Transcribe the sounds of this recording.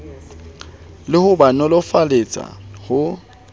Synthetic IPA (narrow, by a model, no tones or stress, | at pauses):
lɪhʊbanɔlɔfalet͡sʼa̰hʊ